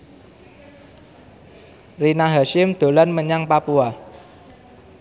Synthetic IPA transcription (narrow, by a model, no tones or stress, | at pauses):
rinaɦaʃɪmd̪̥o̤lanməɲaŋpapua